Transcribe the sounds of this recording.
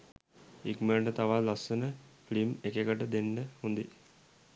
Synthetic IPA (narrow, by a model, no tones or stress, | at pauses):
ikməɖət̪aʋalasːənəflimekekəʈəd̪eɳɖəhund̪i